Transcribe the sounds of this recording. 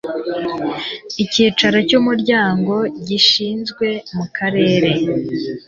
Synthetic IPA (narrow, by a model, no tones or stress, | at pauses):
iciːt͡ʃaɾacumuɾɟaːŋɡo̞ɟiʃiːnzɡwe̞mukʰaɾe̞ːɾe̞